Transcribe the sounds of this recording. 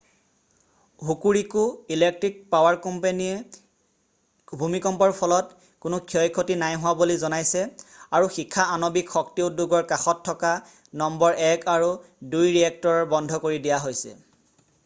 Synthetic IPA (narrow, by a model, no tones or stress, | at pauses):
ɦukuɹikʊilek̚tɹik̚pawaɹkɔmpaniɛ | bʱumikɔmpɔɹpʰɔlɔt | kʊnʊkʰiɔjkʰotinajɦʊwabolizɔnajsɛaɹuxikʰːaanobikxɔktiutdːuɡɔɹkaxɔtʰːɔka | nɔmbɔɹʔɛkʰaɹu | dujɹiɛk̚tɔɹɔɹbɔndʱɔkoɹidijaɦojsɛ̰